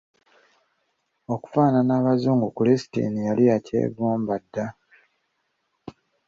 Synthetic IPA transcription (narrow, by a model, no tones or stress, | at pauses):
oku̥faːnanaːβazuːŋɡukulesi̥tḭnijaliacʰḛːβuːmbadːa